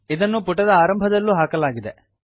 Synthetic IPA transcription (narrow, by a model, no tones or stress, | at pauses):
id̪ɐnːupuʈːɐd̪ɐaːɾɐmbʱɐd̪ɐlːuɦaːkɐlaːɡid̪e